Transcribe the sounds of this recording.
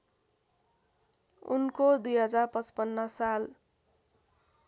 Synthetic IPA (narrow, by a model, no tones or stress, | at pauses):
ṵnkod̪ujɦʌd͡zarpʌt͡spʌnːʌsal